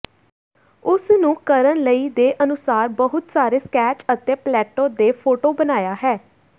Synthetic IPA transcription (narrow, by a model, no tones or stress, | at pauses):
ʊsnũːkəɾənləiːd̪eːʔənʊsaːɾbəɦʊt̪saːɾeːskɛːt͡ʃət̪eːplɛːʈõːd̪eːpʰoːʈoːbənaːjaːɦɛː